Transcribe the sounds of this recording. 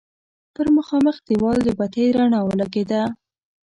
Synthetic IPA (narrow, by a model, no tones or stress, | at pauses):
t̪əɾməxɑməxd̪əwɑld̪əbat̪ajɾaɳɑwəlaɡed̪a